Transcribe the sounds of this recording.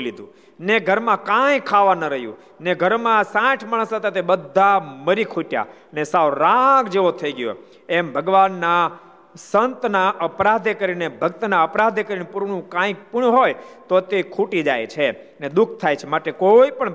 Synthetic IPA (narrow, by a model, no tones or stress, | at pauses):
lid̪ʱũ | neɡʱəɾmãkãjkʰaʋanəɾəɦjṵ̃ | neɡʱəɾmãsãʈʰmaɳ̃əsat̪ʰet̪ebəd̪ʱːaməɾikʰuʈja̰ | nesaʋɾãɡd͡ʒeʋot̪ʰəiɡjo̰ | ɛmbʱəɡʋanːa | sənt̪naʔəpɾad̪ʱekəɾinebʱəɡt̪naəpɾad̪ʱekəɾinupuɾɳ̃ũkãjpuɳɦojt̪ot̪ekʰuʈid͡ʒajt͡ʃʰe | ned̪ukʰt̪ʰajt͡ʃʰemaʈekoipəɳ